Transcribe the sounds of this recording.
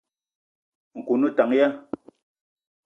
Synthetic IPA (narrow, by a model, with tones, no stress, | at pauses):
ŋ̩˨ku˨nu˦ta˨˦ŋja˦